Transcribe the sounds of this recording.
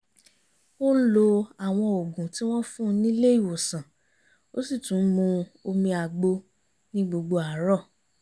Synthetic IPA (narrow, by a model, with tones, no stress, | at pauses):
o˦lo˧a˨w̃ɔ̃˧o˨ɡũ˨ti˦w̃ɔ̃˦fũ˦˨˧nĩ˦le˦i˨wo˨sã˨ | o˦si˦˨tũ˨˦mũ˧o˧mĩ˧a˨ɡ͡bo˧ | nĩ˦ɡ͡bo˧ɡ͡bo˧a˨˦ɾɔ˦˨